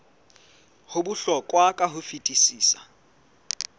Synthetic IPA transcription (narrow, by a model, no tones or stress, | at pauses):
hʊbuɬɔkʼwakʼaɦʊfitʼisiːsa̰